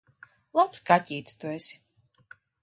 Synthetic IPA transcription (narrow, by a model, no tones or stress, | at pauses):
lˠapskatʲiːt̪st̪uɛsʲi̥